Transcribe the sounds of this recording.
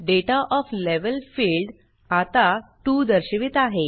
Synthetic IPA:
ɖeʈaʔɔfleʋəlfilɖ | at̪aʈuːd̪əɾɕəʋiːt̪aɦe

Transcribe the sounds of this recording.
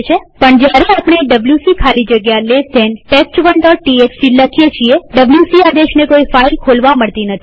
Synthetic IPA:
t͡ʃʰepəɳd͡ʒjaɾeapɳ̃eɖəbljusikʰalid͡ʒəɡjaled̪enʈest͡ʃʋəɳʈɔɾʈieksiləkʰijet͡ʃʰieɖəbljusiad̪eʃnekoifailkʰolʋaməɭt̪inət̪ʰi̥

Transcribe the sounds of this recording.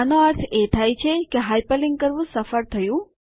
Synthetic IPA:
noəɾt̪ʰet̪ʰajt͡ʃʰekeɦajpəlɪŋɡkəɾʋũsəfəɾt̪ʰəjũ

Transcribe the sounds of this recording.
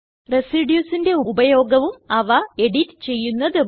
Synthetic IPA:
re̞siɖjuːsinde̞uubɐjo̞ːɡɐʋumɐʋɐe̞ɽitt͡ɕe̞jːunːɐðɨ

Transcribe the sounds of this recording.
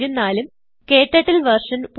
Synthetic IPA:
ɾunːaːlum | keːʈːɐʈːilʋɐrʂɐnp

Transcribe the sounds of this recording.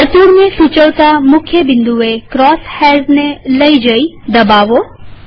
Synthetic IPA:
ɐɾt̪uːɾmẽsut͡ʃəwt̪amʊkʰjəbɪ̃nd̪uekɾɔːshɛːznẽlɐid͡ʒəid̪ɐbaːʋo

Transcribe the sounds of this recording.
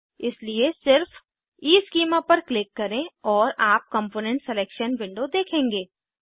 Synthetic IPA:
ɪsliesɪɾf | iːskiːmapɐɾklɪkːɐɾẽɔːɾaːp̚kə̃mpoːnɛ̃ɳʈsɛleːkʃənʋɪ̃ɳɖod̪eːkʰẽːŋɡeː

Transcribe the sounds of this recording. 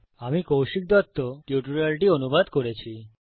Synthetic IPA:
amikowʃik̚d̪ɔt̪ːoʈjuʈuɾalʈionubad̪koɾet͡ɕʰi

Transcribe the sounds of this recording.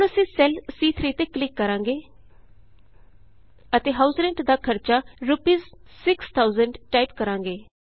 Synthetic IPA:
ʊnəsĩːsɛlsiːt̪ʰɾiːt̪eːklɪkːəɾãːŋɡeː | ət̪eːɦaːʊsɾɛ̃ːɳʈd̪aːkʰəɾt͡ʃaːɾʊpiːzsɪkst̪ʰaːʊzəɳɖʈaːipkəɾãːŋɡeː

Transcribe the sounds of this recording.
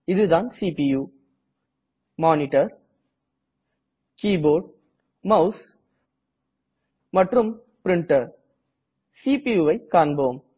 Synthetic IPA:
ɪðɯðaːnsiːpijuː | maːnɪʈɐɾ | kiːboːɖ | mɐʊs | mɐʈrɯm | pɾɪɳʈɐɾ | siːpijuːʋɐɪkːaːɾɳboːm

